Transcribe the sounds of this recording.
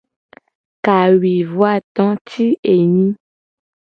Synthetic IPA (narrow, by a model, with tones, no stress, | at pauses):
ka˨wi˨vwa˦˨t̪ɔ̃˦t̪ʰi˦e˨ɲĩ˦